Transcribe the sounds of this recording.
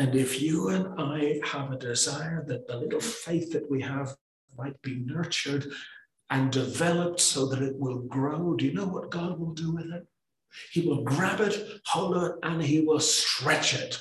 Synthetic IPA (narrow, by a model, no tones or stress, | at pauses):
ɨ̃nɪfjɨɨ̃naɪəvɨdɪzaɪə˞ðɨt̪̚ðəlɪɾl̩ˠfeɪθðɨʔ̚wiəv | maɪt̚b̥inɜ˞t͡ʃə˞ɾ | ɨ̃ndɨvɛlˠəp̚tsoʊðɨɾɨt̚wɪlˠɡɹoʊdɨjɨnoʊwʌt̚ɡ̥ɑd̚wɪlˠdɨwɪðɪt̚ | hiwɪlˠɡɹæbɨt̚hoʊlˠəʔɨ̃niwɪlˠstɹ̥ɛt͡ʃɪt̚